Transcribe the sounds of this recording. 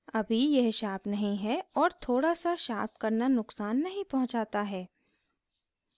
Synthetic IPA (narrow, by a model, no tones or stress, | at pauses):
ɐbʱijɛɦʃaːpnɐɦĩɦɛɔːɾt̪ʰoːɽasaʃaːp̚kɐɾnanʊqsaːnːɐɦĩpɐɦʊ̃t͡ʃaːt̪aɦɛː